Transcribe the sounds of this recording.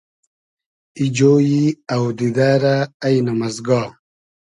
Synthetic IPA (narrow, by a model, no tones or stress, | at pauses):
id͡ʑoːjiɐwd̪id̪aːɾaːjnɐmɐzɡɑː